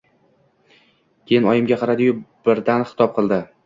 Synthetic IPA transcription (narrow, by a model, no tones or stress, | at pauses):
kʲʰe̞jɪnɒjɪmɡʲaqʰɑɾad̪ɪjʊb̥ɪɾd̪anχɪ̥t̪ʰɒp̚qʰɨlˠd̪ɪ